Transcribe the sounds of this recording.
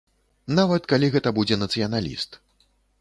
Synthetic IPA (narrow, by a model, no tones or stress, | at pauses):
navɐt̪kalʲiɣɛt̪ɐbud͡zʲɛnɐt̪sɨjɐnalʲḭst̪